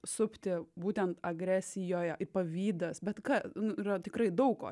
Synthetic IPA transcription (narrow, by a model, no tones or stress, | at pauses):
sʊpʲt̪ʲɪbuːt̪ʲɛnt̪ɐɡɾʲæːsʲɪjoːjɛʔɪpɐʋʲiːd̪ɐsbʲɛt̪kɐnʊiːɾɐt̪ʲɪkɾɐɪd̪ɐʊko̰ː